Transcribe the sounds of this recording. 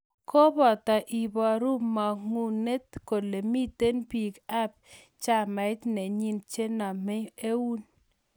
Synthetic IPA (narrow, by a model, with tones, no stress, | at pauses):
kɔ˦bɔ˨ta˨ʔi˨bɔ˨a˨ɾu˦mːa˨ŋu˨ne˦tko˨de˨mi˦te˦npi˨ka˦p̚ | t͡ʃa˦ma˨ɪ˦tne˨ɲi˦nt͡ʃe˦na˨mɪ˦e˦wu˦n